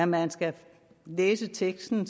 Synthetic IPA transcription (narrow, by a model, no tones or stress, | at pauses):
mænsɡ̥æ | leːsət͡sʰeɡ̥sd̥n̩